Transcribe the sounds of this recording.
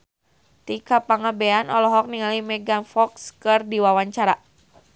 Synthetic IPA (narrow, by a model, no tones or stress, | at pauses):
t̪ikapaŋabɛanɔlɔɦɔk̚niŋalimɛɡanfɔkskɨrdiwawaɲt͡ʃaɾa